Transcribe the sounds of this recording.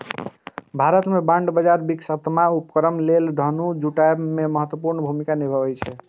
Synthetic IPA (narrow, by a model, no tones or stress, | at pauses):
bʱaɾət̪mebaɳɖbəd͡ʒaɾbiksət̪maupkɾəmleld̪ʱənud͡ʒʱuʈaememəɦət̪wəpuɾnəbʱumikanibʱəbɛjt͡ʃʰɛ